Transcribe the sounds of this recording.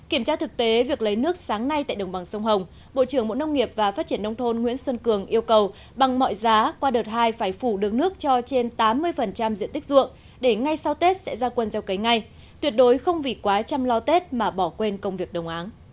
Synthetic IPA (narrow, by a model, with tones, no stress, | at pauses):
ki˧˩əmt͡ɕaː˧t̪ʰɨ˨˩k̚t̪e˨˦vi˨˩ək̚lə˨˦jnɨ˦˥ək̚saː˨˦ŋna˧jt̪a̰ː˧˨jɗə˨˩wŋ͡mɓa˨˩ŋsə˧wŋ͡mɦə˨˩wŋ͡m | ɓo̰˧˨t͡ɕɨ˧˩əŋmo̰˧˥nə˧wŋ͡mŋi˨˩əp̚vaː˨˩faː˦˥t̚t͡ɕi˧˩ənːə˧wŋ͡mt̪ʰo˧nŋwḭ˧˥ənswə˧nkɨ˨˩əŋʔi˧əwkə˨˩w | ɓa˨˩ŋmɔ̰˧˨jzaː˨˦kwaː˧ɗəː˨˩t̚haː˧jfaː˧˩jfu˧˩ɗɨ˨˩ək̚nɨ˦˥ək̚t͡ɕɔ˧t͡ɕe˧nt̪aː˨˦mːɨ˧əjfə˨˩nt͡ɕa˧mzḭ˧˨ənt̪ï˦˥k̟̚zṵ˧˨əŋ | ɗe˧˩ŋa˧jsa˧wt̪e˦˥t̚sɛ̰˧˥zaː˧kwə˧nzɛ˧wkə˨˦jŋa˧j | t̪wət̚ɗo˨˦jxə˧wŋ͡mvi˨˩kwaː˨˦t͡ɕa˧mlɔ˧t̪e˦˥t̚maː˨˩ɓɔ˧˩kwe˧nkə˧wŋ͡mvi˨˩ək̚ɗə˨˩wŋ͡mʔaː˨˦n